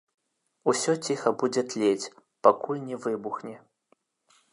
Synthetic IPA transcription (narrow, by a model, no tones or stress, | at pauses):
usʲɔt͡sʲixɐbud͡zʲɛt̪lʲet͡sʲ | pakulʲnʲɛvɨbuxnʲɛ